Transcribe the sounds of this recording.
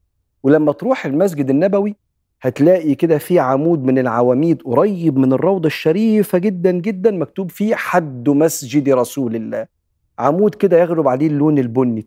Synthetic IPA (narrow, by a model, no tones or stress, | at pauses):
welæmːæt̪ɾuːħelmæs̬d͡ʒɪd̪enːæbæwi | hæt̪læːʔiked̪æfiʕamuːd̪̚mɪnelʕawæːmiːd̪wɾˤɑjːebmɪnerˤːɑwd̪ˤɑʃːæɾiːfæɡed̪ːænɡed̪ːænmæk̚t̪uːbfiːħad̪ːmæsd͡ʒɪd̪iɾˤɑsuːlelːæ̰ː | ʕamuːd̪ked̪æjæɣɾobʕaleːlːoːnelbonːi